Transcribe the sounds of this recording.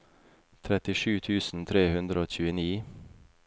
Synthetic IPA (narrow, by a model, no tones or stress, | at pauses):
t̪ʰɾɛt̪ɪʃʉːt̪ʰʉːsn̩t̪ʰɾeːhʉnd̪ɾəoːc͡çʉːəniː